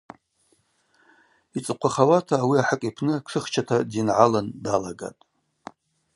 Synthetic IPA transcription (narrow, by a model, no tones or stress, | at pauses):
it͡sʼɨqʷʰaχawatʰaːwiaħəkʼipʰnɨkʰʂɨχt͡ʃʰatʰadinʕalandalaɡa̰tʼ